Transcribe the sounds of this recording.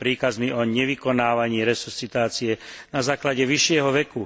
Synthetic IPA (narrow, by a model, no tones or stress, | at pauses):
pɾiːkazmiʔɔɲɛʋikɔnaːʋaɲɪːɾɛsust͡sit̪aːt͡sijɛnazaːklaɟɛʋiʃɪɛɦɔʋɛku